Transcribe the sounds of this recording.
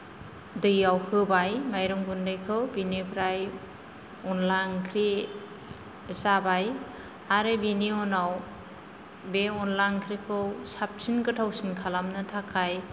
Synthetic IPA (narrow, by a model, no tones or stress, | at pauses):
dɯjawkʰɯbajmajɾɯŋbundɯjkʰɯwbinepʰɾaj | ɔnlaŋkʰɾi | zabaj | aɾɯbiniɔnaw | beɔnlaŋkʰɾikʰɯwsap̚sinɡɯtʰawsinkʰalamnɯtʰakʰaj